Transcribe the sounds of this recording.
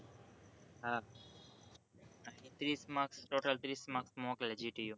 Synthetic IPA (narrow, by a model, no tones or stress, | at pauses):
ɦa | ait̪ɾiːsmaksʈoːʈəlt̪ɾiːsmaksmoːkled͡ʒiʈiju